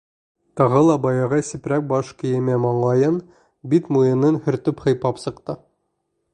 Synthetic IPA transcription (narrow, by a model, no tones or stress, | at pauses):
t̪ɑʁɤlˠɑbɑjɑʁɑsipɾæk̚bɑʃkɘ̆jɘ̆mæmɑɴlˠɑjɤn | bit̪mujɤ̆nɤnhɵ̆ɾt̪ɵphɤ̆jpɑpsɤ̆qt̪ɤ